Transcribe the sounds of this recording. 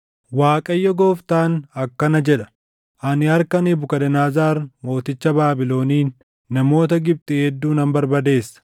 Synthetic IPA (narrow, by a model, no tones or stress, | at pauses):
waːkʼɐjːɔɡo̞ːft̪aːnɐkːɐnɐd͡ʒɛᶑɐ̥ | ʔɐnɪɐɾkɐnibʊkɐd̪ɛnaːzaːɾmo̞ːt̪ɪt͡ʃːɐbaːbɪlo̞ːniːnː | ɐmo̞ːt̪ɐɡɪb̚t̪ʼɪhɛd̪ːuːnɐmbɐɾbɐd̪e̞ːsːɐ̥